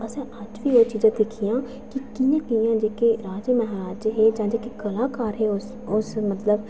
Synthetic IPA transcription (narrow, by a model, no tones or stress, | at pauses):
əsɛ̃ːʔəd͡ʒʋiːoːt͡ʃiːd͡ʒãːd̪ekʰijãː | kɪkijãːkijãːd͡ʒeːkeːɾaːd͡ʒməɦɾaːd͡ʒɦeːd͡ʒãːd͡ʒeːkeːkəlaːkaːɾɦeːʊs | ʊsmət̪ləb